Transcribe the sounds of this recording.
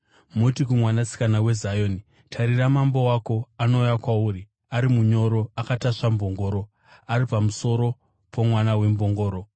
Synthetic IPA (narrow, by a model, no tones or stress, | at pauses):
mutikumwanasi̥kanawe̞zajo̞ːni | tʰaɾiramambo̞wako̞ano̞jakwauːɾi | aɾimuɲo̞ɾo̞akataʂambo̞ŋɡo̞ːɾo̞ | aɾipamuso̞ɾo̞ | pʰomwanawe̞mbo̞ŋɡo̞ːɾo̞